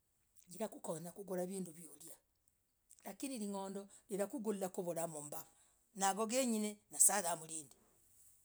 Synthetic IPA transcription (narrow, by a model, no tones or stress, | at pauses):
ɡiɾakukonakuɡoɾaβiːnduβjolja | lakiniɾiŋoːndɔneɾakuɡulilakoβoɾamomba | naβoɡeɲinenasaɣamuɾiːndi